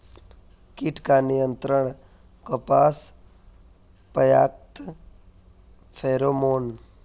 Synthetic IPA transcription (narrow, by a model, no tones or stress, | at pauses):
kiʈʰkaːnijənt̪ɾəɳ̃ | kəpaːs | pəjaːk̚t̪ | fʰeːɾoːmoːn